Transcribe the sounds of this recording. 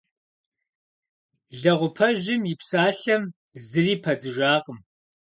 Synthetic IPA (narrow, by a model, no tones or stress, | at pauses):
ɮɐʁʷʊpʰɐʒɪmjɪpsaːɬɐm | zɨriːpʰɐd͡zɨʒaːqəm